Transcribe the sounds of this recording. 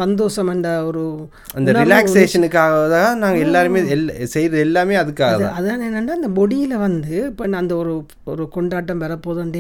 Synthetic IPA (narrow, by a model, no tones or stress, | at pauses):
sɐnd̪oːʂɐmɛɳɖɐɔɾɯ | ɐnd̪ɐɾɪlaːksseːʂɐnɯkːaːɣɐðanaːŋɡɐɛlːaːɾɯmeːɛlːsɛjɾɐðɯɛlːaːmeːɐðɯkːaːɣɐðã̰ɐðaeːnːɐɳɖaːɪnd̪ɐbɔɽɪjɪlɐʋɐnd̪ɯɪpːonːɐɐnd̪ɐɔɾɯ | ɔɾɯkɔɳɖaːʈːɐmʋɐɾɐpːoːðɐɳɖe